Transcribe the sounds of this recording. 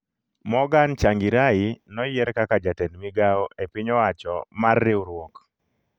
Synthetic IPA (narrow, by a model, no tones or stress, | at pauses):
mɔɡant͡ʃaŋɡiɾainɔjɛɾkakad͡ʒatɛndmiɡaɔʔepiɲɔwat͡ʃɔ̰marːɪwɾwɔk